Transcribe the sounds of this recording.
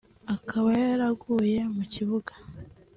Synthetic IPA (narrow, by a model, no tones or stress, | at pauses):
akʰaβajaɾaɡuje̞muciβuɡḁ